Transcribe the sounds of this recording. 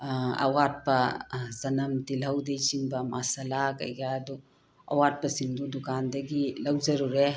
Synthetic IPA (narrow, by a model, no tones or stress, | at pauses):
ɐ̰wat̚pɐzɐnɐmtilɐwdejsiŋbɐmasalakɐ̰jɡadu | ɐ̰wat̚pɐsiŋdudukandɐɡilɐwd͡ʒɐɾuɾe